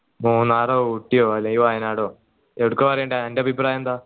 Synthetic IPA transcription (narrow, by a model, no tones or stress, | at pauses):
muːnːaːrouʈːijoːɐlejiʋaːjɐnaːɽoː | eʋɽukːɨpɐrɐjeɳɖaendeɐbʱipraːjɐnd̪aː